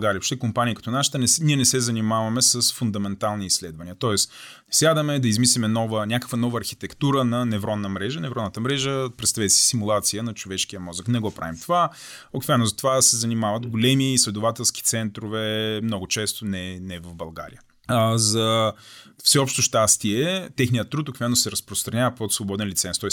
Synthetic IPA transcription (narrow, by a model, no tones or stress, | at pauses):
ɡaɾijəopʃt̪ɛkompanʲikɐ̥t̪ɔnaʃi̥t̪ənɛniɛnɛsɛzɐnimavɐmɛsɐsfund̪ɐmɛnt̪alˠniːsːlɛd̪vɐnʲiət̪ɔɛsnɛslʲad̪əmɛd̪ɐizmislimɛnɔvənʲakə̥kvənɔvəːɾxi̥t̪ɛkt̪uɾənɐnɛvɾɔd̪nːəmɾɛʒənɛvɾɔd̪nət̪əmɾɛʒəpɾɛt̪st̪avɛt̪ɛsi̥simulˠat̪sijənɐt͡ʃovɛʃk̟ijəmɔzəknɛɡɔpɾa̰vimt̪ovaokvɛlnʊzɐt̪ovasɛzɐnimavət̪ɡolɛmiːslɛd̪ʊvat̪ɛlˠsk̟i̥t̪sɛnt̪ɾovɛmnɔɡʊt͡ʃɛst̪onɛnɛvɐvbɐlˠɡa̰ɾḭə | zɐ | fsɛɔpʃt̪oʃt̪ast̪iɛt̪ɛxnijət̪ːɾut̪okvɛnosɛɾɐspɾost̪ɾɐnʲavəpot̪svobɔd̪ɛnlʲit̪sɛnst̪ɔɛs